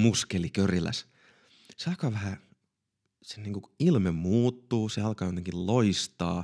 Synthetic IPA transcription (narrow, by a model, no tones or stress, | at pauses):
muskelikørilæ̰s | seɑlkɑːʋæhæ | seniːŋkuilmemmuːt̪ːuːseɑlkɑːjot̪eŋkilloist̪ɑː